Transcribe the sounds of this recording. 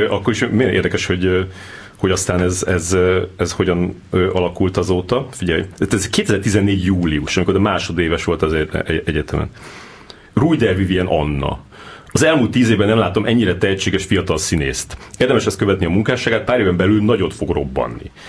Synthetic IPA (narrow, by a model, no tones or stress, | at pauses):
ʔɒkːo̞ɾiʃmejnḛːrd̪ɛkɛʃho̞ɟø | ho̞ɟɒst̪aːnɛzɛzɛzho̞ɟɒn | øːʔɒlɒkult̪ɒzoːt̪ɒfiɟɛj̪at̪ɛzkeːt̪ɛzɛrt̪izɛnːeːɟjuːliuʃɒmikoɾɛmaːʃo̞d̪eːvɛʃʋo̞lt̪ɒzḛɛɛɟɛt̪ɛmɛ̰n | rujd̪ɛrviviɛnʔɒ̰nːɒ̰ | ɒzɛlmuːlt̪ːiːzeːvbɛnɛmlaːt̪o̞mʔɛɲːiɾɛt̪ɛɦɛt͡ʃːeːɡɛʃfijɒt̪ɒlsinḛːst̪eːrd̪ɛmɛʃɛst̪kø̞vɛt̪niɒmuŋkaːʃaːɡaːt̪̚paːɾeːvɛmbɛlylnɒɟo̞t̪fo̞ɡro̞bːɒ̰nːḭ